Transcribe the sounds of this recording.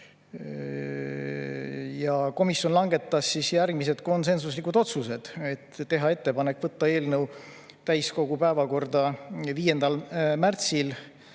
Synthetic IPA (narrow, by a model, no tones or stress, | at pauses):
jɑko̞misjo̞nlɑŋɡe̞t̪ːˑɑsːisjærɡmise̞d̪ko̞ns̬e̞nsuslikːud̪o̞t̪suse̞d̪̥e̞t̪ːe̞ɦɑe̞t̪ːe̞pɑne̞kːˑvɤt̪ːɑe̞ːlnɤw | t̪æjsko̞ɡ̥upæevɑko̞rd̪ɑviːje̞nd̪ɑlmært̪sil